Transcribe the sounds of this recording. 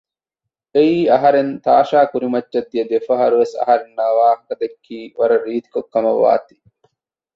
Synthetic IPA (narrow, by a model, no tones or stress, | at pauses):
eiːɐɦɐɾent̪aːʃaːkuɾimɐt͡ʃːʃɐd̪ːijɐd̪efɐɦɐɾuʋesɐ̰ɦɐɾenːaːʋaːhɐkɐd̪ekːiːʋɐɾɐɾiːt̪i̥kokːɐmɐʋːa̰ːt̪i̥